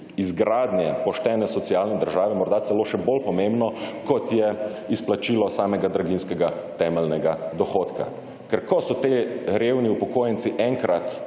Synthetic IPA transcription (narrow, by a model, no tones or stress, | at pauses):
izɡɾaːd̪njɛpɔʃt̪ɛːnɛsɔt̪siaːlnɛd̪əɾʒaːʋɛmɔɾd̪at̪sɛloːʃɛbolpɔmẽmbnɔkɔt̪jɛisplat͡ʃiːlɔsaːmɛɡad̪ɾaɡinskɛɡat̪ɛmɛlnɛɡad̪ɔxoːt̪ka̰ | kɛɾkɔsɔt̪eɾeːwniupɔkoːjɛnt̪siʔɛŋkɾat̪